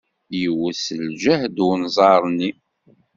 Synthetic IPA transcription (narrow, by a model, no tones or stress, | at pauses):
jəwːəsəld͡ʒæhd̪wnzˤɑɾˤni